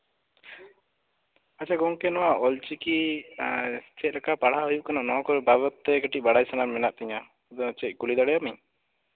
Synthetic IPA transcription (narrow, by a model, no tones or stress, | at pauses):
at͡ʃʰaɡɔŋkɛnɔwaʔɔlt͡ʃiki | t͡ʃɛt̪̚ˀɾakapaɽaujuʔ̚kanaʔnɔkɔɾbaβɔt̪ːɛɡəʈiʔ̚baɽajsanaɾmɛnaʔt̪ɛɲa | d̪ɔt͡ʃɛc̪̚ˀkulid̪aɽɛjamiɲ